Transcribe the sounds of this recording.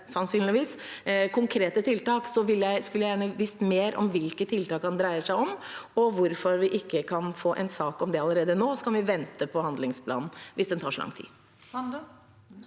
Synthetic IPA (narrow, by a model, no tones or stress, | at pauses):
sɑnsyːnlɪʋiːskʰʊŋkʰɾeːt̪ət̪ʰɪlt̪ɑːksɔʋɪlːjæɪskʉljæjæːɳəʋist̪meːɾʔɔ̰mʋɪlkət̪ʰɪlt̪ɑːkhɑnd̪ɾæɪəʂæɪɔmɔʋʊɾfɔɾʋɪʔɪkːəkʰɑnfoːʔɛɪnsɑːkɔmd̪ɛɑləɾeːd̪ənoːsɔkɑnʋɪʋɛnt̪əpʰɔhɑnd̪lɪŋspʰlɑ̰ːnn̩ʋɪsd̪ɛnt̪ʰɑːʂɔ̰lʔɑ̰ŋt̪ʰḭː